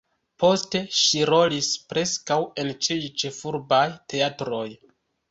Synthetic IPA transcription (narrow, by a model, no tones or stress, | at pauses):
pʰo̞ste̞ʃiɾo̞lispɾe̞skawe̞nt͡ʃijt͡ʃe̞fuɾbajte̞atɾo̞j